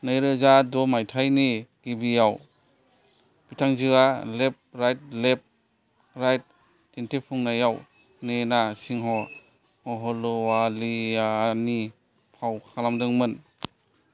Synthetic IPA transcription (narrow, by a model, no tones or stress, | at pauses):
nɯjɾɯzadɔmajtʰajniɡibijaw | b̥itʰaŋzɯɡalep̚ɾajt̚lep̚ | ɾajt̚ | dentipʰuŋnajaw | nenasiŋɦɔ | ɔɦɔlɔwalijani | pʰawkʰalamdɯŋmɯn